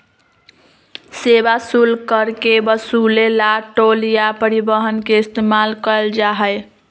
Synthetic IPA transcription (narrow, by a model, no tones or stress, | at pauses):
sebasulkəɾkebəsulelaʈoljapəɾibəɦənkeist̪emalkəld͡ʒaɦəj